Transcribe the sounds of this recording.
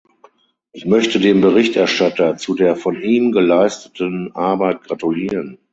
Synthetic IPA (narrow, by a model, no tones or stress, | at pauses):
ʔɪçmœçtədeːmbəʁɪçtʔɛɐʃtatɐt͡sudeːɐfɔnʔiːmɡəlaɪstə̥tənʔaɐbaɪt̚ɡ̥ʁatuliːʁən